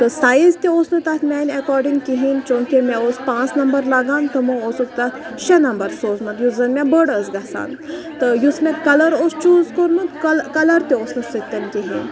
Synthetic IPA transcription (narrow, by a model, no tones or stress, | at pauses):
t̪əsaːjizt̪ʲiosnɨt̪at̪mʲanʲɛkɔːɾɖiŋɡkiɦint͡ʃõkʲemɛospãːt͡snɐmbəɾlaːɡãːnt̪əməoːsok̚t̪aʃɐnɐmbəɾsoːzmɐt̪juzɐnmʲɛbəɽəsɡasa̰ːn | t̪əjusmʲɛ̃kɐləɾost͡ʃuːzkoɾmɨt̪klkɐləɾt̪ʲeoːsnɨsət̪ʲːɐnkiɦḭn